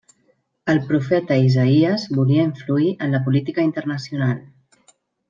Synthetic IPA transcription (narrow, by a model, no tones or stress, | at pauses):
əlˠpɾufɛt̪əizəiəzβuliəiɱfluiʔənləpulit̪ikəint̪əɾnəsiunalˠ